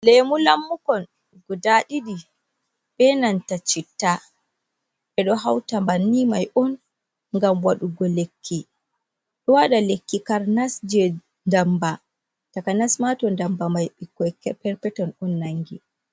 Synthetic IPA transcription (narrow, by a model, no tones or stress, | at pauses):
lemulamːukɔn | ɡɔdaɗiɗi | ɓɛnantat͡ʃitːa | ɓɛɗɔɦawtambanːimajʔɔn | ŋɡamwaɗuɡɔlekʰːi | ɗɔwaɗalekːikaɾnasd͡ʒɛ | ndamba | takanasmatɔndambamajɓikːɔkɛpɛɾpɛtɔnɔnːaŋɡi